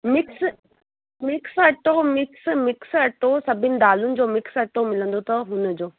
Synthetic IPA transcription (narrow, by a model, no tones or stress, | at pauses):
mɪks | mɪksɐʈomɪksmɪksɐʈosɐbʱɪnɪ̆d̪aːlʊnɪ̆d͡ʑoːmɪksɐʈomɪlə̃nd̪ot̪ɐɦʊnəd͡ʑoː